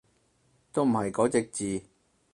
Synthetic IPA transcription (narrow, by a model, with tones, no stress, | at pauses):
t̪o˥wm̩˨˩hɐ˨jkɔː˨˥t͡sɪ˨˧k̚t͡siː˨